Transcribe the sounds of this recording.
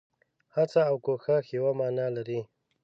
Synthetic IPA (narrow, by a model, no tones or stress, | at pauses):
hat͡saːwkoxaxewamɑːnɑlaɾi